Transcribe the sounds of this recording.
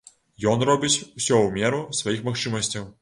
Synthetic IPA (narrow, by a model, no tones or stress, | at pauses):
jɔnrɔbʲɪt͡sʲsʲɔwmʲɛɾʊsʋɐjixmɐxt͡ʂɨmɐsʲt͡sʲɐw